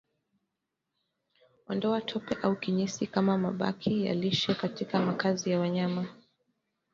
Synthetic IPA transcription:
wandɔatʰɔpɛʔaukiɲisikamamaɓa̰kʰija̰liʃɛkatikamakazijawaɲama

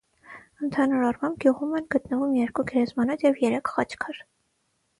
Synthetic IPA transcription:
ənt̪ʰɑnuɾɑrmɑmb̚ɡ̥ʲjuʁumɛnɡət̪nəvumjɛɾkuɡɛɾɛzmɑnɔt̪jɛvjɛɾɛkʰχɑt͡ʃʰkʰɑɾ

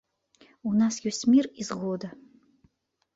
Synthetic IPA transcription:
unasɡʲusʲmirizʁod̪a

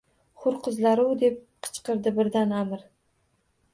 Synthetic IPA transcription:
χʊɾqʰʊzlaɾɪwd̪e̞p̚qʰɨ̥t͡ʃqɨɾd̪ɪbɪɾd̪anamɪɾ

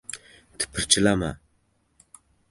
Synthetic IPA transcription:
t̪ʰə̥pʰərt͡ɕəlama̰

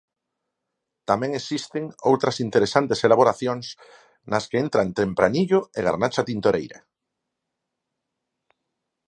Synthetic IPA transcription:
t̪amẽŋesist̪eŋowt̪ɾasint̪eɾesant̪eselaβoɾaθjoŋs | naskeent̪ɾant̪ɾempɾaniʎoeɣa̰ɾnat͡ʃat̪int̪oɾejɾa̰

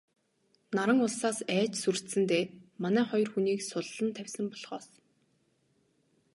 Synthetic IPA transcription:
naɾə̆ŋʊɮsaːsæːt͡ɕsur̥t̪sɘ̆nt̪eːmanæːχɔjɞ̆rxuniːksʊɮːə̆nt̪ʰæwʲsə̆mpɔɮʁ̥ɔːs

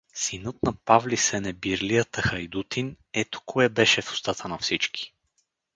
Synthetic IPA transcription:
sinɤt̪nɐpavlisɛnɛbiɾlijət̪əxɐjd̪ut̪ʰin | ɛt̪o̥kɔɛbɛʃɛfʊ̥st̪at̪ənɐfsit͡ʃkʰi̥

